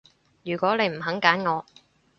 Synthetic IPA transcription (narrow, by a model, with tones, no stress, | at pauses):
jyː˨˩kwɔː˨˥ne˨˧jm̩˨˩ɦɐ˨˥ŋkaː˨˥nŋɔː˨˧